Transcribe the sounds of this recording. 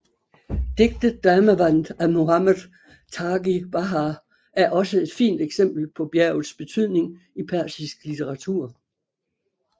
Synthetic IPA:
d̥e̝ɡ̥̚d̥ð̩ˠd̥æːməʋæn̰d̥æmo̝hɑmæðˠ | t͡sʰɑ̈ːɡ̥ib̥ɑɦɑ | æɐʔɒ̽səe̝d̥fḭːnd̥eɡ̥sem̰b̥l̩pʰɒ̽b̥jæɐʊð̩ˠsb̥e̝t͡sʰyð̰ˠne̝ŋ | ipʰæɐ̰sisɡ̥lit͡sʰeʁɑ̈t͡sʰuɐ̰

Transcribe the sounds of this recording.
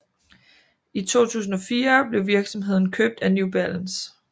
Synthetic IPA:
it͡sʰo̝̰ːt͡sʰṵːs̬n̩ɒ̽fiːɐb̥le̝ʋiɐɡ̥sɒ̽mɦe̝ð̞̰ˠn̩kʰøb̥̚d̥ænjub̥ælæns

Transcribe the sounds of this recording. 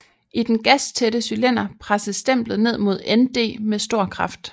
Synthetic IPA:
id̥enɡ̥æst͡sʰed̥əsylen̰ɐpʰʁasəð̩ˠsd̥em̰b̥lð̩ˠne̝ð̞̰ˠmo̝ð̞̰ˠend̥e̝̰ːmesd̥o̝ɐ̰kʰʁɑ̈fd̥

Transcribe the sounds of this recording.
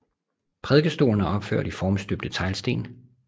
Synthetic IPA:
pʰʁɛðˠɡ̥əsd̥o̝̰ːlɐnæɒ̽b̥fø̰ɐ̰d̥ifɒːmsd̥øb̥̚d̥ət͡sʰɑ̈ɪlsd̥e̝̰ːn

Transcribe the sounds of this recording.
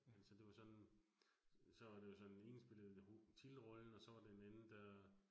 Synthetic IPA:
ælsɒd̥e̝ʋɑ̈sɒ̽n | sɒ̽ʋɑ̈d̥e̝josɒ̽ne̝nsb̥e̝l̰ð̞̩ˠot͡sʰilʁɒ̽ln̩ɒ̽sɒ̽ʋɑ̈d̥e̝enænn̩d̥æ

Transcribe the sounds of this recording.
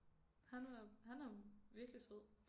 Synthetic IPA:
hænæhænæʋiɐɡ̥lise̝ð̰ˠ

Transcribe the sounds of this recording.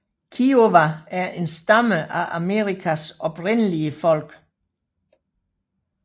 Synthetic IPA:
kʰioʋææɐʔe̝nsd̥ɑməʔæʔæme̝̰ʁikʰæsɒ̽b̥ʁenəliəfɒ̽l̰ɡ̥

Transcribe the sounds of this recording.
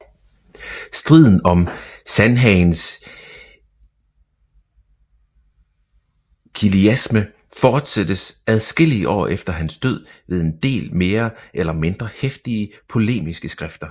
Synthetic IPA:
sd̥ʁið̞̰ˠn̩ɒ̽msænɦɛɪns | kʰiliæsmə | fɒːd̥sed̥əsæð̞ˠsɡ̥e̝l̰iəʔɒ̰ːʔefd̥ɐɦænsd̥øð̞̰ˠʋe̝ð̞ˠe̝nd̥e̝̰ːlme̝ːɐʔelɐme̝nd̥ʁɐhefd̥iəpʰo̝le̝̰ːmisɡ̥əsɡ̥ʁafd̥ɐ

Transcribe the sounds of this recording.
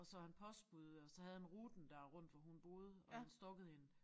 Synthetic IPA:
ɒ̽sɒhænpʰɒ̽sb̥uð̩ˠɒ̽sɒ̽ɦhæð̞̩ˠhænʁuːd̥n̩d̥æɐʁɔ̽n̰d̥ʋɒɦunb̥o̝ːð̞ˠɒ̽hænsd̥ɔ̽ɡ̥əð̞̩ˠien

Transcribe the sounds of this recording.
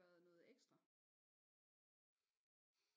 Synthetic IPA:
æɐðˠnɔ̽ːð̩ˠeɡ̥sd̥ʁɐ

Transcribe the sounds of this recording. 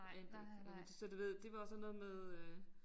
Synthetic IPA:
ɑ̰nd̥ed̥sɒd̥uʋe̝ð̰ˠd̥e̝ʋɑ̈ɒ̽sɒnːɔ̽ːð̩ˠmeðˠø

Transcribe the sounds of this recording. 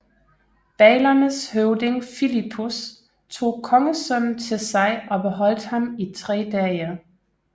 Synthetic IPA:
b̥ɛːɪlɐnəshøʊde̝ŋfilipʰus | t͡sʰo̝̰ːkʰɒ̽ŋəsœn̰n̩t͡sʰe̝lsɑ̈ɪʔɒ̽b̥e̝ɦɒ̽l̰d̥hɑ̈mit͡sʰʁɛ̰ːd̥ɛɐ

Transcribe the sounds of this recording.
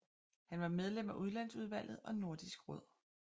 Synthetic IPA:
hænʋɑ̈með̞ˠlem̰æʔuð̞ˠlæn̰suð̞ˠʋæl̰ð̩ˠɒ̽no̝ɐd̥isɡ̥ʁɔð̞̰ˠ

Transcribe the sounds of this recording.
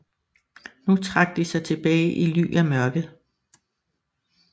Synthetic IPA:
nut͡sʰʁɑ̈ɡ̥̚d̥isɑ̈ɪt͡sʰe̝b̥ɛːɪʔily̰ːjæmɶɐɡ̥ð̩ˠ

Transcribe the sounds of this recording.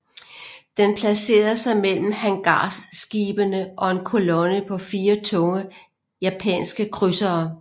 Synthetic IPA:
d̥enpʰlæse̝̰ːɐsɑ̈ɪmel̰m̩hæŋɡ̥ɑ̰ːsɡ̥iːb̥ənəʔɒ̽e̝nkʰo̝lɔnəpʰɒ̽fiːɐt͡sʰɔ̽ŋə | jæpʰɛ̰ːnsɡ̥əkʰʁysɐː

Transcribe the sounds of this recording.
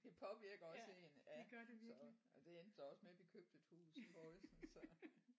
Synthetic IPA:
d̥e̝pʰɒ̽ʋiɐɡ̥ɐɒ̽se̝ːnæɡ̥ɶɐdeʋisɐɒ̥lid̥e̝end̥ɐd̥ɐɒ̽smeʋikʰøb̥̚d̥ət͡shuːsfɒlsn̩sɒ̽

